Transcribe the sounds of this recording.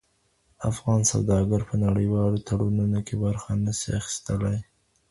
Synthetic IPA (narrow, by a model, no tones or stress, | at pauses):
afɣɑnsa̰wd̪ɑɡaɾpənaɽəjwɑlot̪ʰaɽununokebaɾxanəsiaxi̥st̪əlaj